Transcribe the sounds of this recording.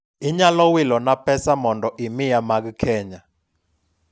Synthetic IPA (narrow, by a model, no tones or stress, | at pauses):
iɲalɔwilɔnapʰɛsamɔndɔʔimijamak̬ikʰɛːɲa